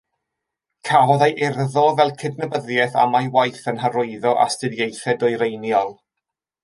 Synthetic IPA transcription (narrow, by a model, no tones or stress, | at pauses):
kʰavɔðajʔɪrðɔvɛlˠkʰɪdnəbəðjɛθa̰majwajθənɦəɾʊɨðɔʔa̰stɪdjejθɛdɔɨɾejnjɔlˠ